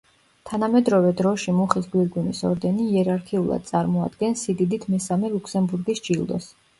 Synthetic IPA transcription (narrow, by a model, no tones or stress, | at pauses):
t̪ʰanamɛd̪ɾɔvɛd̪ɾɔʃimuχisɡwiɾɡwinisɔ̰ɾd̪ɛniːɛɾaɾkʰiulˠa̰d̪̚t̪sʼaɾmɔa̰d̪̥ɡɛnsid̪id̪it̪ʰmɛsamɛlˠukʰsɛmbuɾɡisd͡ʒilˠd̪ɔ̰s